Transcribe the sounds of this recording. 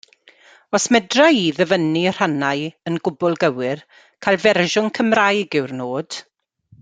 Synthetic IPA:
ɔsmɛdraiðəvənir̥anajənɡʊbʊlˠɡəwɪr | kʰajlˠvɛrʒʊnkʰəmrajɡɪwrnoːd̥

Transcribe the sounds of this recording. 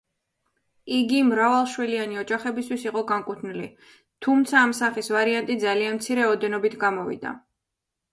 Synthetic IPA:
iɡimɾavalˠʃwilianiɔd͡ʒaχɛbist̪ʰwisiqʼɔɡaŋkʼut̪ʰnilḭ | t̪ʰumt̪sʰaːmsaχisvaɾiant̪ʼid̪zalianmt̪sʰiɾɛɔd̪ɛnɔbit̪ʰɡamɔvḭd̪a̰

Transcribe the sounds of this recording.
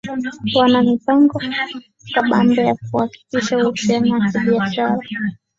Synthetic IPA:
wanamipaŋɡɔ | kaɓambɔjak̚uhaki̥kiʃausianaakiɓiaʃaɾa

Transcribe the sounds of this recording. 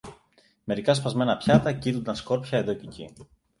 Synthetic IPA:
me̞ɾikɐspɐzme̞nɐpçɐt̪ɐcit̪und̪ɐnsko̞ɾpçɐe̞ðo̞cecḭ

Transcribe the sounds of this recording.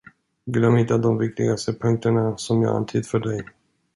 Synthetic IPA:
ɡɪlamhɪt̪ːad̪ɔmvɪk̚t̪ɪ̰ɡast̪əpʰɵŋk̚t̪əɳasɔmjɑ̰ːɡa̰nt̪ʰiːd̪fœɖɛj

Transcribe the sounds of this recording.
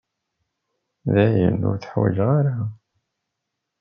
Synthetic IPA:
ðæjənːʊ̰ɾθħwæ̰ʒʁaɾa

